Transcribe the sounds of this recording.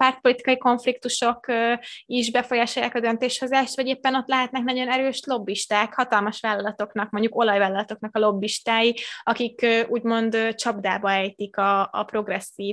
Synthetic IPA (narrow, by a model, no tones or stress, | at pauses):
paːrt̪̚po̞lit̪i̥kɒiko̞ɱflik̚t̪uʃo̞kː | iʒbɛfo̞jaːʃo̞ja̰ːkɒd̪ø̞nt̪eːʃho̞zaːʃt̪vɒɟeːpːɛno̞t̪lɛɦɛt̪nɛknɒɟo̞nɛɾøːʃlo̞bːiʃt̪aːkhɒt̪ɒlmɒʃʋaːlːɒlɒt̪o̞knɒk̚mo̞ɲɟuko̞lɒjvaːlːɒlɒt̪o̞knɒkɒlo̞bːiʃt̪aːjiɒkikøuːɟmo̞nd̪t͡ʃɒbd̪aːbɒɛjt̪ikɒ̰ːpro̞ɡrɛsːiːv